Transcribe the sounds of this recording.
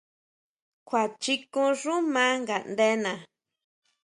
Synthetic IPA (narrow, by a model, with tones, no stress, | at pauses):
kʷa˨t͡ʃi˧kũ˧ʐũ˦mã˦ŋɡa˨nd̪e˦nã˨